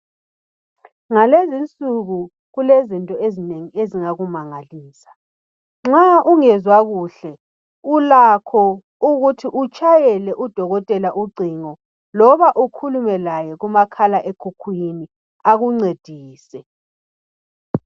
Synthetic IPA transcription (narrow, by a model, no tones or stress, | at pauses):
ŋalezint͡sʼuɣu | ɣulezintʼɔezineŋieziŋaɣumaŋaliːsḁ | ŋ͡ǁaʔuŋɛzwaɣuɬɛ | ulakʰɔ | uɣutʰiʔut͡ʃʼajɛlɛʔud̥ʱɔɣɔtʼɛlaʔuɡ͡ǀʱiŋɔ | lɔβaʔukʰulumɛlajɛɣumakʰalaʔekʰukʰwini | aɣuŋ͡ǀed̥ʱiːsɛ